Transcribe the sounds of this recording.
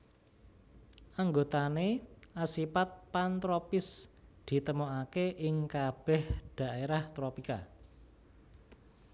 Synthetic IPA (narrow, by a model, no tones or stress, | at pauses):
ʔaŋɡot̪aneasipat̪̚pant̪ɾopɪsd̪̥i̤t̪əmoakeʔɪŋkab̥ɛ̤hd̪̥a̤ʔeɾaht̪ɾopika̰